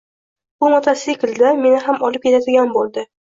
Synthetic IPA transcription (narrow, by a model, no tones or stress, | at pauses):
bʊmɒt̪ʰasikʲɪlʲd̪ame̞nɪɦamɒlɪp̚kʲe̞t̪ʰad̪ɪɡʲanbolˠd̪ɪ